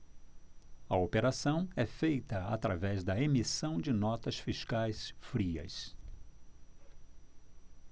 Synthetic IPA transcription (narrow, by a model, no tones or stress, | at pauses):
ɐopeɾasɐ̃w̃ɛfejt̪ɐa̰t̪ɾavɛzd̪ɐemisɐ̃w̃d͡ʒɪnɔt̪ɐsfiʃkajsfɾiɐ̰s